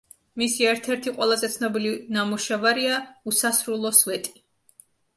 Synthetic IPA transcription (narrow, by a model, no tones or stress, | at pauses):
misiɛɾt̪ʰɛɾt̪ʰiqʼwɛlˠazɛt̪sʰnɔbilivnamuʃɛvaɾiausasɾulˠɔsvɛt̪ʼi̥